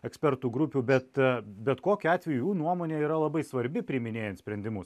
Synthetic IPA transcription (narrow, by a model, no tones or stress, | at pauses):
ɛksʲpʲɛɾt̪uːɡɾʊpʲuːbʲɛt̪bʲɛt̪koːkʲʊɑːt̪ʲʋʲɛjujuːnuɔmoːnʲeːiːɾɐlˠɐbɐɪsʋɐɾʲbʲɪpʲɾʲɪmʲɪnʲeːjɛnt̪sʲpʲɾʲɛnʲd̪ʲɪmʊs